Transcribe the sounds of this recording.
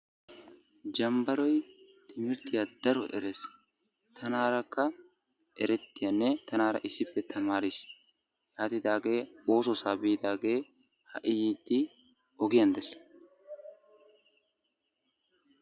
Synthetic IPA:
d͡ʒɐmbɐɾɔjt̪ʰɪmɪɾt̪ɪjad̪ɐɾɔ̰ʔɛ̰ɾes | t̪ʰɐnaːɾɐkːɐ | ʔɛɾɛt̪ːɪjɐnːɛt̪ɐnaːɾɐ̰ʔɪsːɪpːɛt̪ʰɐmaːɾɪs | jaːt̪ɪd̪aːɡe̞ːo̞ːsɔsaːbɪːd̪aːɡe̞ː | hɐ̰ʔɪjiːd̪ːɪ | ʔɔɡɪjɐnd̪ɛs

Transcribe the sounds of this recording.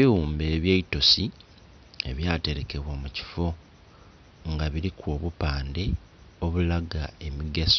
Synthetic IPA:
iuːmbe̞ːβjeito̞si | e̞̰βjaːte̞ɾe̞ke̞βwamuci̥fo̞ | ŋɡaβiɾikwoːβupaːnde̞ | o̞βulaɡae̞miɡeso

